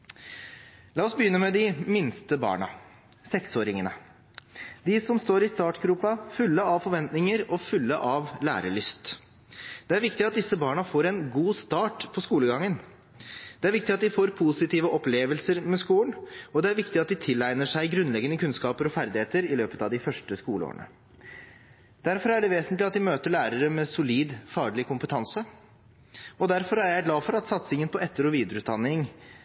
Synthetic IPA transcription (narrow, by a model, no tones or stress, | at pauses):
lɑːɔsbəjʏnːəmɛd̪ɪmɪnst̪əbɑ̰ːɳɑ̰ | sɛksoːɾɪŋənə̰ | d̪ɪsɔmst̪oːɾɪst̪ɑːʈɡɾuːpɑfʉlːəɑʋfɔɾʋɛnt̪nɪŋəɾɔfʉlːəʔɑʋlæ̰ːɾəɭʏst̪ | d̪̥ɛæɾʋɪkt̪ɪɑt̪̚d̪ɪsːəbɑːɳɑfoːɾɛnɡuːst̪ɑːʈpʰɔskuːləɡɑŋːən | d̪̥ɛæɾʋɪkt̪ɪɑt̪̚d̪ɪfoːɾpʰusɪt̪ʰiːʋəʔɔpleːʋəlsəɾmɛskuːlənɔd̪ɛæɾʋɪkt̪ɪɑt̪̚d̪ɪt̪ʰɪlæɪnəʂæɪɡɾʉnlɛɡənəkʰʉnskɑːpəɾɔfæɾd̪ɪheːt̪əɾɪløːpət̪ɑʋd̪ɪfœʂʈəskuːləo̰ːɳə̰ | d̪̥æɾfɔɾæɖɛʋeːsnt̪lɪɑt̪̚d̪ɪmøːt̪əɭæːɾəɾəmɛsʊliːd̪fɑːɡɭɪkʊmpət̪ʰɑnsə | ɔd̪æɾfɔɾæɾjæɪɡlɑːfɔɾɑt̪sɑt̪sɪŋənpʰɔɛt̪ːəɾʊʋiːd̪əɾʉːd̪ɑnːɪŋ